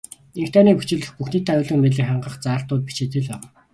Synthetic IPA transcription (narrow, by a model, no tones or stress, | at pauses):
eŋk̚t̪ʰæːniːput͡ɕɪ̆ɮɘ̆xpuxniːt̪ʰæʊɮə̆ŋmeɮɘ̆kχaɴɢə̆χt͡saːɬt̪ʊːt̪̚pi̥t͡ɕeːt̪ɘ̆ɮpæːʁaː